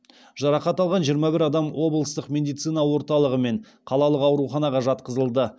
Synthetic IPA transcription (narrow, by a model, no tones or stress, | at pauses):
ʒ̥ɑɾɑqɑt̪ɑlˠʁɑnʒijəɾmɑbɪɾɑd̪ɑmwo̞blˠəst̪əqmʲe̞d̪ijt̪sɨjnɑwo̞ɾt̪ɑlˠəʁəme̞ɴ | qʰɑlˠɑlˠəqɑwɾuχɑnɑʁɑʒɑt̪̚qəzəlˠd̪ə